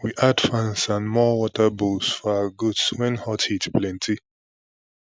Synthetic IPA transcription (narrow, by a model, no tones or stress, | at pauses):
wiʔadfãnsãnmɔwɔtəbusfɔaɡudswɛ̃nhɔtitplɛ̃ntʰi